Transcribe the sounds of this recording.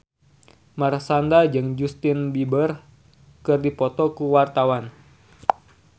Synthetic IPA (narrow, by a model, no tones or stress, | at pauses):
marsandad͡ʒɨŋd͡ʒust̪ɪnbibər | kɨrdipɔt̪ɔkuwart̪awan